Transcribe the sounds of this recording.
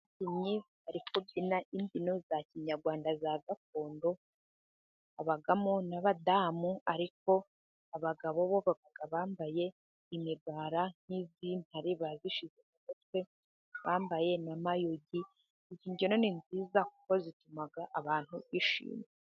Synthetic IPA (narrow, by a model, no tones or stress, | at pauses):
ciɲiβaɾikobinaʔimbino̞zaciɲaɾɡwaːndazaɡak̚o̞ːndo̞ | aβaɡamonaβadamuaɾik̚o̞ | aβaɡaβo̞βo̞βaɡaɡ̥aβaːmbaje̞ | imiɾɡwaːɾaŋ̥hizin̥haɾiβaziʃizekakatwe̞ | βaːmbaje̞namajuɟi | iciːɲɟono̞ninziːzaku̥ko̞zitumaɡaʔaβaːn̥huβiʃḭːme